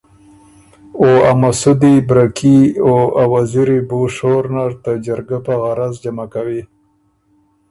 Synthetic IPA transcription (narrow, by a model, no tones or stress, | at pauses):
oamasud̪ibɾakʰioawaziɾibuʂoɾnaɾt̪əd͡ʒaɾɡapaɣaɾazd͡ʒamakawi